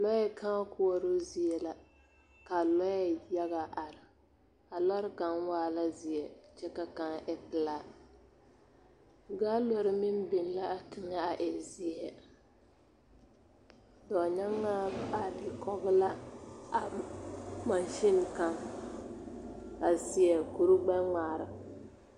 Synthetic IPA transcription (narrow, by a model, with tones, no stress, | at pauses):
lɔ˦jɛ˦ka˦kʊ˦ɔ˨ɾo˦zi˨ɛ˨la˦ | ka˨lɔ˦jɛ˦˨ja˦ɣa˨ʔa˨ɾɪ˨ | a˨lɔ˦ɾɪ˦ka˨n˦waː˦la˦zi˨ɛ˨t͡ʃɛ˦ka˦ka˦ŋʔɛ˦pɨ˨la˦ | ɡa˦lo˦ɾɪ˦mɪ˦n˦bɪ˨n˦la˦ʔa˨tɪ˨ŋa˦a˨ʔɛ˨zi˦ɛ˨ | dɔ˨ɲa˦ŋːa˦a˨dɪ˨kɔ˦ɡɪ˦la˦a˨ | ma˨nʃɪ˦n˨ka˦ŋ | a˨si˦ɛ˨ku˨ɾu˦ɡ͡bɛ˦ŋ͡maː˨ɾa˨